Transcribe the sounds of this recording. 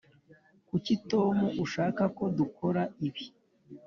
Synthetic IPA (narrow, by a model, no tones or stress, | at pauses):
kucito̞ːmuʔuʃaːkako̞dukʰo̞ɾaiβi